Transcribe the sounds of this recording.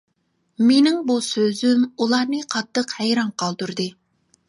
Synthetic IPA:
menɪŋbusøzymulˠɑːnɨqʰɑt̪ːəqhɛjɾɑŋqʰɑlˠd̪uɾd̪ɨ

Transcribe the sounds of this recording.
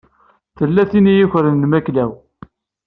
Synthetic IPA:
θəlːæθinijiçɾənːmæklæw

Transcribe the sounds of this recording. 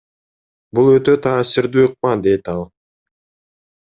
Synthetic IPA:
bulˠøt̪ø̞t̪ʰɑːsɪɾd̪yːɯq̚mɑd̪e̞t̪ɑlˠ

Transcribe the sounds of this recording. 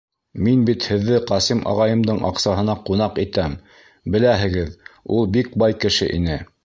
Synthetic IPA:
minbit̪hɘ̆ðːɘqɑsimʔɑ̰ʁɑjɤ̆md̪ɤɴʔɑ̰qsɑɦɤ̆nɑqunɑqit̪æm | bɘ̆læɦɘ̆ɡɘðulˠbik̚bɑjkɘ̆ʃɘ̰ʔḭn̪ɘ

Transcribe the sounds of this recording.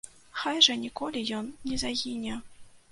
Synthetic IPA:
xajʐɐnʲikɔlʲijɔnːʲɛzaɣʲinʲɛ

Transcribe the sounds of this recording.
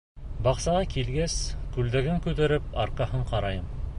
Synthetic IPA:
bɑqsɑʁɑkilɡæskʉld̪æɡɘŋkʉt̪æɾɘpɑ̰ɾqɑɦɤɴqɑɾɑjɤm

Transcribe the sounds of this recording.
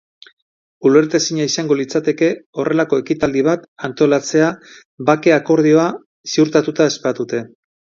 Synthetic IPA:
ule̞ɾt̪esiɲaisaŋɡo̞lit͡sat̪e̞ke̞o̞re̞lako̞e̞kit̪ald̪iβat̪ant̪o̞lat͡se̞a | bake̞ako̞ɾð̞io̞a | siuɾt̪at̪ut̪ae̞spat̪ut̪e̞

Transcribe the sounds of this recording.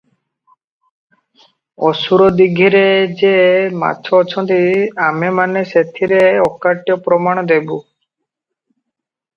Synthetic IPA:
ɔsuɾɔd̪iɡʱiɾed͡ʒema̰tːt͡ʃʰɔːt͡ʃʰɔnt̪iamemaneset̪ʰiɾeɔkaʈjɔpɾɔmaɽ̃ɔd̪ebu

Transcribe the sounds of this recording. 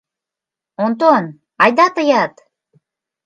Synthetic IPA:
ont̪on | ɑjd̪ɑt̪əjɑt̪

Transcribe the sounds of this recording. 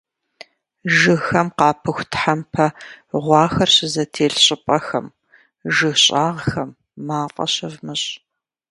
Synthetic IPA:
ʒɨxɐmqɑːpʰɨxʷtʰħampʰɐʁʷɑːxɐrɕɪzɐtʰeːɬɕʼɪpʼɐxɐm | ʒɨxɕʼaːʁxɐmː | aːqʼɐ̰ɕɪvmɨɕʼ

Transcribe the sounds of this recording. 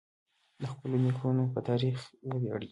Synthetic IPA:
d̪əxpəlonixunopət̪ɑɾixwəbjɑ̰ɽɡ

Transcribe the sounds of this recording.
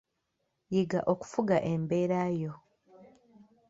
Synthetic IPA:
jiɡaʔo̞ku̥fuɡaʔembe̞ːɾaːjo̞

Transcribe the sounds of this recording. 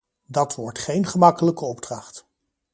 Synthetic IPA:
dɑtʋɔɹtχejnχəmɑkələkəɔb̚drɑχt

